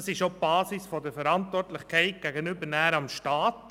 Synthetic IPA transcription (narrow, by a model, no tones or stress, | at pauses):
sɪʃob̥ɑːsɪsfɔdəɾfəɾɑntʋɔrtlɪχkʰɛɪt̚ɡ̥æɡənʏbəɾnæːɾɑmʃtɑːt